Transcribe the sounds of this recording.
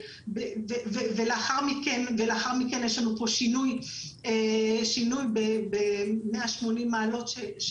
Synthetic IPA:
beveveveleaχaʁmikenveleaχaʁmikenjeʃlanupo̞ʃinuj | eʃinujbebemeaʃmo̞nimːaːlo̞tʃeʃ

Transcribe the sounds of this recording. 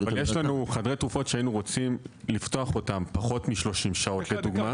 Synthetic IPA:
valjeʃlanuχadʁet̪ʁufo̞tʃeainuʁo̞t͡simlifto̞aχo̞tampaχo̞tmiʃlo̞ʃimʃao̞t̪le̞duɡma

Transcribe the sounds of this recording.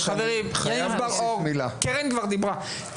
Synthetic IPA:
aveʁimχjaimbaomilakeʁenkvaʁd̪ibʁa

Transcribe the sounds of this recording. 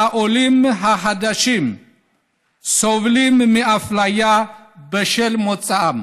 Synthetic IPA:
aʔolimɦaɦad̪aʃim | sovlimmiʔaflaja | bəʃɛlmɔt͡sʼːaam

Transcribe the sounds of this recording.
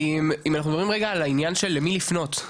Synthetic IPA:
imimanaχnud̪bimʁeɡaːlainjanʃe̞lːemilifno̞t̪

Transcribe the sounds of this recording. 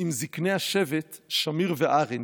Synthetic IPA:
ɪmzikneːaʃɛvɛt̪ʃamiɾvɛʔaʁɪn

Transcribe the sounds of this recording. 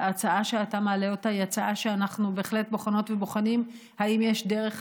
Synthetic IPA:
at͡saaʃeatamaːle̞o̞taiat͡saʔaʃeanaχnube̞eχle̞t̚bo̞χano̞tveboχanim | haimjeʃdeʁe̞χ

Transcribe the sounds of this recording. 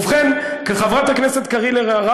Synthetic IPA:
vχemkeχavʁat̪hakneset̪kaʁileʁeaʁa

